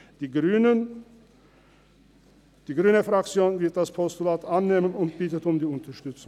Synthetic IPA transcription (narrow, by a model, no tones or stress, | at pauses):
d̪̥iːɡɾyːnən | d̪̥iːɡɾyːnəfɾakt͡sjoːnvɪɐt̪̚d̪aspʰɔst̪ʊlaːt̪ʰanːeːmənʊnt̪̚b̥iːt̪ət̪ʊmd̪iːʊnt̪ɐʂtʏt͡sʊ